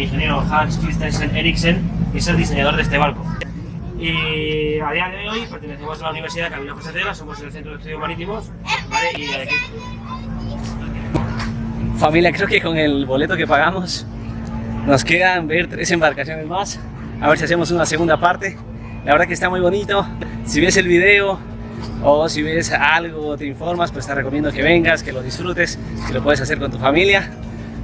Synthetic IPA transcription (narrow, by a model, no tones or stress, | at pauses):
iŋxenjeɾoxaskist̪eseneɾikseneselðiseɲaðo̞ɾðest̪e̞βaɾko | i | aðiaðeðeojpeɾt̪eneθemosalauniβɾsiðakaminafoseɾeɾasomoseelθent̪ɾoest̪eðjomaɾit̪imos | baleiaaki | familjakɾe̞okeko̞ŋe̞lβo̞le̞t̪oke̞paɣamos | no̞ske̞ðambe̞ɾt̪ɾese̞mbaɾkasjo̞nezmas | aβeɾs̬ias̬emos̬unaseɣund̪apaɾt̪e̞ | laβeɾðakest̪amujβo̞nit̪o̞siβe̞se̞lβiðe̞o | osiβe̞salɣoːt̪eiɱfo̞ɾmaspeoest̪areko̞mjend̪o̞ke̞βe̞ŋɡaske̞loðisfɾut̪e̞s | kelo̞pweðesas̬e̞ɾkont̪ufamilja